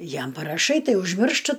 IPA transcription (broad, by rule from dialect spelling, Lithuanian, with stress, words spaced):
ˈjɛm pɐrɐˈʃɐɪ ˈtɐɪ ʊʒʲˈmʲɪrʃtɨ